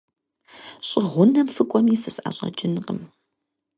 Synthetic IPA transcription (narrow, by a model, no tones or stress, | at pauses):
ɕʼɪʁʷʊnɐmfɨkʷʼɔmifɨsʼʔaɕʼɐ̰d͡ʒɪnqəm